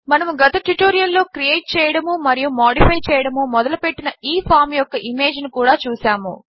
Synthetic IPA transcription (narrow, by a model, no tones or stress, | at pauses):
mɐnɐmuɡɐt̪ɐʈuʈoːɾijɐlːo̞ːkɾijeːʈ̚t͡ʃɛːjɐɽɐmumɐɾijumoːɽipʰɐjt͡ʃɛːjɐɽɐmumɔd̪ɐlupe̞ʈːinɐiːpʰaːɾmjɔkːɐʔime̞ːd͡ʒnikuːɽaːt͡ʃuːsaːmṵ